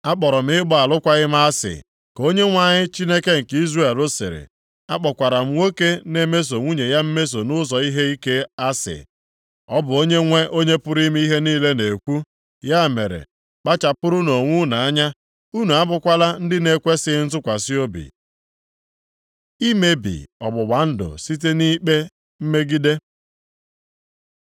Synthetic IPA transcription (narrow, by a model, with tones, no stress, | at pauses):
a˦k͡pɔ˨ɾɔ˨m̩˦ɪ˦ɡ͡bɔ˦a˨lʊ˦kʷa˦ɣɪ˦m̩˦a˦sɪ̰˨ | ko˦ɲe˦ŋʷa˦˨ɲɪ˦t͡ʃi˦ne˦ke˦ŋ̩˨ki˦zre˦e˨ɾo˦sḛ˨ɾḛ˨ | a˦k͡pɔ˨kʷa˨ɾa˨m̩˦wo˦ke˦ne˦me˦s̬o˨ŋʷu˦ɲe˨ja˦m̩˦me˦s̬o˨nʊ˦zɔ˨i˦ɦe˦i˦ke˦a˦sɪ̰˨ | ɔ˦bʊ˨o˦ɲe˦ŋʷe˦ʔo˦ɲe˦pʊ˦ɾi˦m˦i˦ɦe˦niː˦le˦ne˨kʷu˦ | ja˦˨me˨ɾḛ˨ | k͡pa˦t͡ʃa˨pʊ˦ɾʊ˦no˨ŋʷʊ˦na˨a˦ɲa˦ | u˦nu˨a˦bʊ˦kʷa˦la˦n̩˦dɪ˦ne˦kʷe˦sɪ˦n̩˦zʊ˦kʷa˨si˦o˦bḭ˨ | i˦me˦bḭ˨ɔ̰˨bʊ˨ɡ͡ba˨n̩˦dʊ̰˨si˦t̬e˦ni˦k͡pe˦ | m̩˦me˦ɡi˦de˦